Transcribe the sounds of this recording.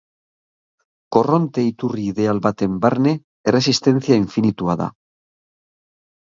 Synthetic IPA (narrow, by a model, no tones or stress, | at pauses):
koro̞nt̪e̞it̪uriðealβat̪e̞mbaɾne | ere̞s̬ist̪e̞n̟θjaiɱfinit̪uaða̰